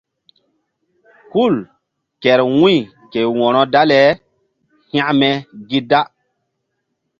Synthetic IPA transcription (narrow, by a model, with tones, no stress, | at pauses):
ku˦˨l | kɛ˨ɾwũ˦j | ke˨wɔ̃˨nɔ˦da˦lɛ˨˦ | hã˦ʔmɛ˨ɡi˦da˦